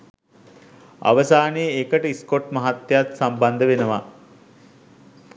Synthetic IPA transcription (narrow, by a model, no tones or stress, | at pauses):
a̰ʋəsaːnejəekəʈəiskoʈmɐɦat̪ːjat̪samband̪əʋenəʋa